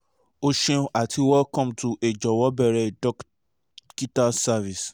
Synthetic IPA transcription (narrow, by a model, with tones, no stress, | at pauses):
o˧ʃɛ̃˧o˧˦ʔa˨tʰi˧wɛ˦kɔ̃˦˨mtu˨ʔe˨d͡ʒɔ˨wɔ˨˦bɛ˦˨ɾɛ˧dɔ˦k | ki˦ta˦sa˦vi˨s